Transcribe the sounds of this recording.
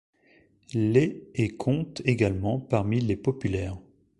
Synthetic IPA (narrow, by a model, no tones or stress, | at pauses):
leekʰɔ̃t̪eɡalmɑ̃paʁmilepɔpylɛːʁ